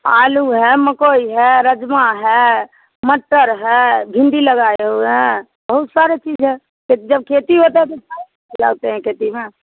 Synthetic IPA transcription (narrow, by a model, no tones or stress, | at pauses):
a̰luɦɛməkoiɦɛɾəd͡ʒmaɦɛ | məʈːəɾɦɛbʱɪ̃nd̪iləɡaeɦoeɦɛ̃ | bəɦut̪saɾet͡ʃid͡ʒɦɛ | ket̪id͡ʒəb̚kʰet̪iɦot̪eɦɛ̃t̪osa | la̰ɡt̪eɦɛ̃kʰet̪ime